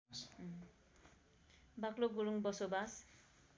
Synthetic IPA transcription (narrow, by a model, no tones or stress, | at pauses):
bakloɡuɾuŋbɔsobas